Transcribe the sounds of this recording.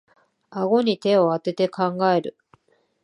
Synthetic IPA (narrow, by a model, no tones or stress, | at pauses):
aɡo̞ɲ̟it̪e̞o̞at̪e̞t̪e̞kãŋɡae̞ɾɯ̟